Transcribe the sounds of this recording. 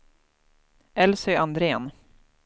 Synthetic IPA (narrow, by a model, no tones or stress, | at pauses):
ʔɛlsœjand̪ɾeːn